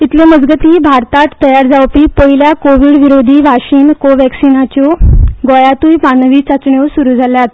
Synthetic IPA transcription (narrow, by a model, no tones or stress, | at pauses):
it̪lẽməd͡zɡət̪iːbʱaɾt̪at̪ːəjaɾd͡zaʋpiːpəɦiljakoʋiːɽʋiɾod̪ʱiːbʱaɕiːnkoʋɛksinat͡ɕɔɡɔjat̪ujpanəʋiːt͡sat͡sɳjosuɾuːd͡zʱaljat̪